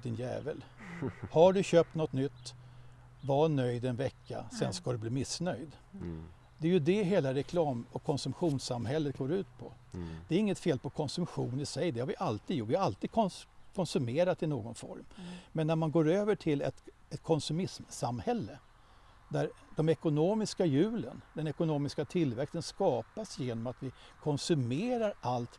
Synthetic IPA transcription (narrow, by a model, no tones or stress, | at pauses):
d̪ɪnjɛ̰ːvəlhaɖɵɕøːp̚t̪nɔt̪nʏt̪ː | vɑnœjd̪ɛnvɛkʰːa̰sɛnskad̪ɵbliːmɪsːnœjd̪ | d̪ɛæjɵd̪ɛɦeːlaɾɛkʰlɑːmɔkʰːɔnsɵmpɧuːnsamhɛlːət̪̚ɡoːɾʉ̟ːt̪̚pʰɔ̰ | d̪ɛːɾɪŋːət̪feːlpʰɔkʰɔnsɵmpɧuːnɪsɛjd̪ɛhaɾvɪʔalt̪iːd̪jʊvɪhaɾalt̪iːd̪kʰɔnkʰɔnsɵmeːɾat̪ːɪnoːɡɔnfɔ̰ɾmmɛnːæɾmanɡoːɾøːvəʈʰɪlɛ̰t̪ | ɛt̪kʰɔnsɵmɪsmsamhɛlːə | d̪æɾ | d̪ɔmɛkʊnoːmɪskajʉ̟ːlə̰nd̪ɛnɛkʊnoːmɪskat̪ʰɪlvɛkst̪ənskɑːpasjeːnɔmat̪vɪkʰɔnsɵmeːɾaɾʔalt̪